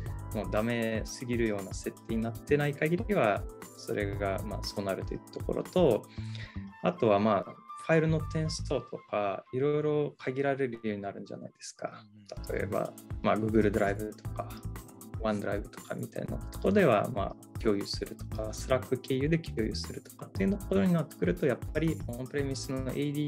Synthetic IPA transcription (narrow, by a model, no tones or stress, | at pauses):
mo̞ːd̪ame̞sɨɡʲiɾɯ̟jo̞ːnase̞t̪ʰːe̞ɲ̟inat̪ːe̞naikaɡʲiɾʲiβaso̞̰ɾʔe̞ɡama̰ːso̞ːnaɾɯ̟t̪o̞jiːt̪oko̞̰ɾo̞̰t̪o̞ | at̪o̞βamaːɸaiɾɯ̟no̞t̪ẽ̞ɰ̃sɨ̥t̪o̞ːt̪o̞kaiɾo̞jɾo̞kʰaɡʲiɾaɾeɾɯ̟joːɲ̟inaɾɯ̟̃ɲd͡ʑa̰na̰id̪̥e̞sɨ̥ka | t̪ḁt̪ʰo̞e̞̰ba̰maɡɯ̟ːɡɯ̟ɾɯ̟d̪oɾaibɯ̟t̪ʰo̞̥ka | βãnd̪o̞ɾaibɯ̟t̪o̞̥ka̰mʲit̪a̰ḭna̰ot̪okoɾd̪e̞βa̰ma̰ː | kʲo̞ːjɯ̟sɨɾɯ̟t̪o̞̥kasɨɾakːɯ̟ke̞ːjɯ̟d̪e̞kʲʰoːjɯ̟sɨɾɯ̟t̪o̥kat̪ːe̞iɯ̟t̪okoɾoɲ̟inat̪ːe̥kɯ̟ɾɯ̟t̪o̞japːaɾʲiopɯ̟ɾe̞mʲisɨno̰ʔeid̪ʲiː